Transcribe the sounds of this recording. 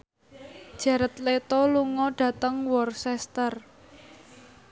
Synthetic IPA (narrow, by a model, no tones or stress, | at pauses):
d̥ʒ̥ä̤ɾət̪let̪ɔluŋɔɖ̥ä̤t̪əŋwɔrsɛst̪ər